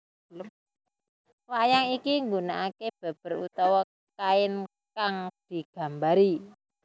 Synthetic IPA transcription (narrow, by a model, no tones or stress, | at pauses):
l | wajaŋikiŋɡunaʔakeb̥a̤b̥ə̤rṵt̪ɔwɔ | kaɪn | kaŋd̪̥i̤ɡ̥a̤mbaɾi